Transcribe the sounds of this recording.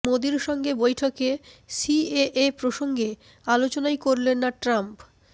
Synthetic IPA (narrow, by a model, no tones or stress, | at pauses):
mod̪iɾʃɔŋɡebojʈʰokesieʔepɾoʃoŋɡe | alot͡ɕonajkoɾlenːaʈɾamp